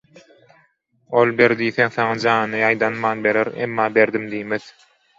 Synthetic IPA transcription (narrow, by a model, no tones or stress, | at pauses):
o̞lˠbeɾd̪iːθeŋθɑŋɑd͡ʒɑːnɯnɯjɑjd̪ɑnmɑːnbe̞ɾeɾḛmːɑːbeɾd̪imd̪iːmeð